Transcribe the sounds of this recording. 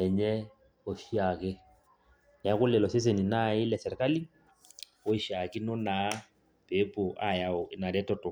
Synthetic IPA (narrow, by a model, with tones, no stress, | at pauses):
ɛ˨ɲɛ˦ | o˨fi˦a˨kɪ˦ | na˦kʊ˦lɛ˨lɔ˨se˦s̬e˨ni˨na˦˨ɪ˦lɛ˨sɛ˨ɾɛ˨ka˦li˦ | o˦ɪ˨ʃa˨kɪ˦nʊ˦na˨˦ | pe˨˦pʊ˨ʔa˨ja˨ʊ˨ɪ˦na˨dɛ˦tɔ˨tʊ˨